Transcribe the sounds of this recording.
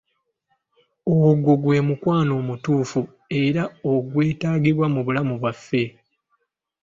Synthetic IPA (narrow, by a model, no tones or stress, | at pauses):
owoɡoɡwe̞ːmukwaːno̞ːmutuːfu | e̞ɾaoɡwe̞ːtaːɡiβwamuβulamuβwafːe̞